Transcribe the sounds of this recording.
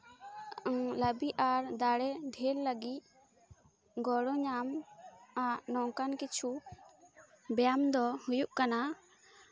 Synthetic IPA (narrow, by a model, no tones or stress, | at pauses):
ləbiʔaɾd̪aɽɛɖʱɛlːəɡit̪̚ | ɡɔɽɔɲamaʔnɔŋkankit͡ʃʰu | bɛjamd̪ɔhujuʔkana